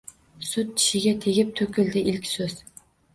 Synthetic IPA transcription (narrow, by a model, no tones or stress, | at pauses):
sʊt̪̚ʰi̥ʃɪɡʲɛt̪ʰeɡʲɪp̚t̪ʰɵkʲɪld̪ɪʔilkʲsɵz̥